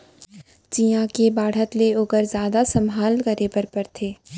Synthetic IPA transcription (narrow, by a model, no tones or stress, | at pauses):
t͡ʃiːjãkebaːɽ̤ət̪leoːkəɾzjaːd̪asɐ̃mʱaːlkɐɾepɐɾpɐɾt̪ʰeː